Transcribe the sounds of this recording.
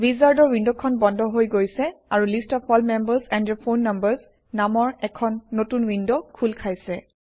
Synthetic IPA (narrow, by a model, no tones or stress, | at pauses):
bizaɹdɔɹwindɔkʰɔnbɔndʱɔɦojɡojsɛaɹulistɔpʰɔlmɛmbəzɛndɔpʰonːambəɹz | namɔɹɛkʰɔnːotunwindɔkʰulkʰajsɛ